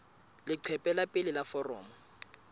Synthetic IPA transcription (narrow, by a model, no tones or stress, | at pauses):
lɪǀʰɛpʼɛlapʼɪlɪlafɔrɔ̰ːmɔ